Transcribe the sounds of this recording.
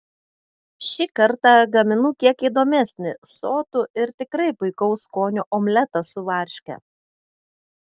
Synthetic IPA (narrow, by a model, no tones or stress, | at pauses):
ʃʲikɐɾt̪ɑˑɡɐmʲɪnuːkʲiɛkiːd̪oːmʲæsʲnʲɪsoːt̪ʊɪɾt̪ʲɪkɾɐɪpʊɪkɔʊskoːnʲuʔɔmʲlʲɛt̪ɐsʊʋɐˑɾʲʃʲkʲɛ̰